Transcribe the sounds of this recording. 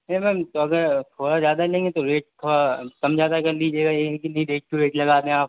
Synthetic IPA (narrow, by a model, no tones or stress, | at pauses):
emɛ̃ːmt̪oɐɡəɾt̪ʰoːɽazjaːd̪alẽːŋɡet̪oɾeːʈ̚t̪ʰoːɽakɐmd͡ʒʱaːd̪akɐɾliːd͡ʒeːɡajẽkinɐɦĩd̪eːk̚ʰkuɾeːʈlɐɡaːd̪ẽaːp